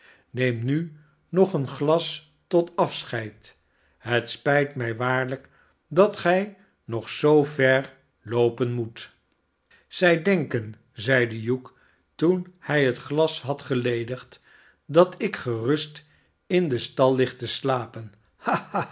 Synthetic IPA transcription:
nejmny | nɔχənχlɑs | tɔtɑfsχɛjt | ɦətspɛjtmɛjʋaːɹlək | dɑtχɛj | nɔχsowvɛɹ | lowpənmut | z̥ɛjdɛŋkən | zɛjdəjuk | tunhɛjɦətχlɑsɦɑtχəlejdəχt | dɑtɪkχərɵst | ɪndəstɑlˠːɪχtəslaːpən | haa

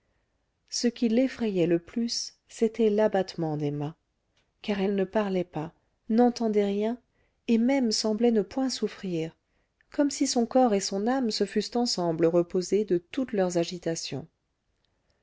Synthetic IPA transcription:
səkʲilefχɛjɛləplysː | et̪ɛlabat̪mɑ̃d̪emɛ̃ | kaʁɛlnəpaʁlɛpa | nɑ̃t̪ɑ̃d̪ɛʁjɛ̃ | emɛmsɑ̃blɛnəpwɛ̃sufχiːʁ | kɔmsisɔ̃kɔʁesɔ̃namsəfyst̪ɑ̃sɑ̃bləʁəpozed̪ət̪ut̪lœʁzaʒit̪asjɔ̰̃

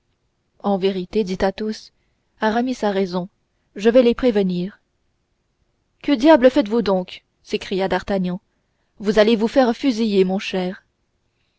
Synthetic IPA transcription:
ɑ̃veʁit̪ed̪it̪at̪os | aʁamisaʁɛzɔ̃ | ʒəvɛlepχevəniːʁ | kəd̪jabləfɛt̪vud̪ɔ̃k | sekχijad̪aʁt̪anjɑ̃ | vuzalevufɛʁfyzijemɔ̃ʃɛːʁ

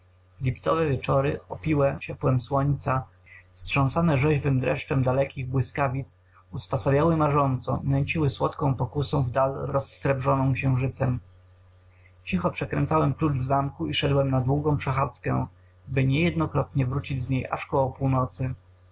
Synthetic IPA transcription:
lʲipt̪sɔ̰vɛvʲjɛt͡ʂɔɾɘɔpʲiwɛt͡ɕɛpwɛmswɔɲt̪sa | fstʂɔ̃sanɛʐɛʑvɘmd̪ɾɛ̰ʂt͡ʂɛmd̪alɛkʲiɣbwɘskavʲit̪s | uspasavʲjawɘmaʐɔnt̪sɔ̰nɛɲt͡ɕiwɘswɔt̪kɔ̃w̃pɔkusɔ̃w̃vd̪alɾɔsːɾɛbʐɔnɔ̃w̃kɕɛ̃w̃ʐɘt̪sɛm | t͡ɕixɔpʂɛkɾɛ̰̃nt̪sawɛmklud͡ʐvzamkuiʂɛd̪wɛmnad̪wuɡɔ̃w̃pʂɛxat̪skɛ̰ | bɘɲɛjɛd̪nɔkɾɔt̪ɲɛvɾut͡ɕid͡ʑzɲejʔa̰ʂkɔwɔpuwnɔt̪sɘ

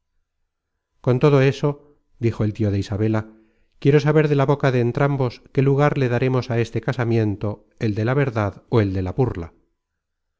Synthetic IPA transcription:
ko̞nt̪o̞ðo̞e̞so̞ | d̪ixo̞elt̪io̞ðeisaβ̞e̞la | kje̞ɾo̞saβe̞ɾðe̞laβo̞kaðeːnt̪ɾambo̞ske̞luɣaɾle̞ðaɾe̞mo̞sae̞st̪e̞kasamjẽ̞nt̪o̞ | e̞ld̪e̞laβe̞ɾðaðoe̞ld̪e̞laβuɾla̰

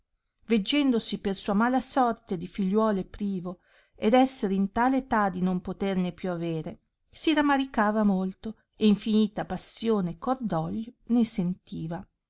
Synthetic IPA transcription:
ved͡ʒːɛnd̪osipersuːamaːlasɔrt̪ed̪ifiʎːwɔːlepɾiːvo | ed̪ɛsːeɾint̪aːleːt̪ad̪inompot̪ernepjuaveːɾe | siɾamaɾikaːvamolt̪o | eiɱfiniːt̪apasːjoːnekʰord̪ɔʎːonesent̪iːva

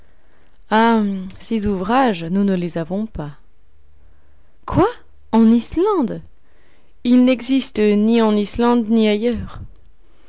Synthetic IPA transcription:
asezuvʁaʒnunəlezavɔ̃pa | kʰwa | ɑ̃nislɑ̃d̪ | ilnɛɡzist̪əniɑ̃nislɑ̃d̪niajœːʁ

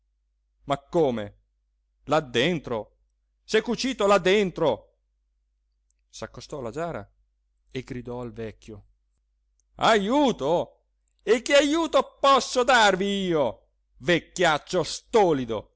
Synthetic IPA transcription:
makːoːmḛ | lad̪ːent̪ɾo | sekːut͡ʃiːt̪olad̪ːent̪ɾo | sakːost̪ɔlad͡ʒaːɾa̰ | eɡɾid̪ɔalvɛkːjo | a̰juːt̪o | ekːɪajuːt̪opɔsːod̪arviiːo | vekːjat͡ʃːost̪ɔːlid̪o

